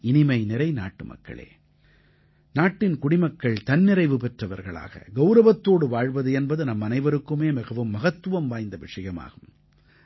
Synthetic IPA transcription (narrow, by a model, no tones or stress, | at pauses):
ɪnɪmɐɪnɪɾɐɪnaːʈːɯmɐ̰kːɐ̰ɭḛː | naːʈːɪnkʊɽɪmɐkːɐɭt̪ɐnːɪɾɐɪʋɯpɛʈrɐʋɐɾɣɐɭa̰ːɣɐ̰ɡɐʊɾɐʋɐt̪ːoːɽɯʋaːɻʋɐðɯɛnbɐðɯnɐmːɐnɐɪʋɐɾɯkːɯmeːmɪɣɐʋɯmːɐɣɐt̪ːɯʋɐmʋaːjnd̪ɐʋɪʂɐjɐma̰ːɣɯm